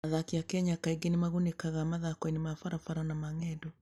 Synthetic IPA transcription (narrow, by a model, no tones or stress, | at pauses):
aðakiakɛɲakaiɡenimaɣunekaɣamaðakɔɛnimafaɾafaɾanamaŋɛdɔ